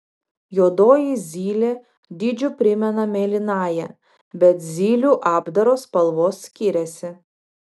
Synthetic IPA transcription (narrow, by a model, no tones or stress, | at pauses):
joːd̪oːjizʲiːlʲeː | d̪ʲɪd͡ʒʲʊpʲɾʲɪmʲɛnɐmʲeːlʲɪnɑːjɛ | bʲɛt̪zʲiːlʲuːʔɑːbd̪ɐɾoːspɐlˠʋoːsːʲkʲiɾʲɛsʲɪ